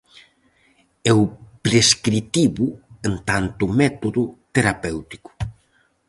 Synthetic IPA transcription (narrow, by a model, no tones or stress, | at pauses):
ɛwpɾeskɾit̪iβuent̪ant̪ʊmɛt̪oðʊt̪eɾapɛwt̪i̥ku̥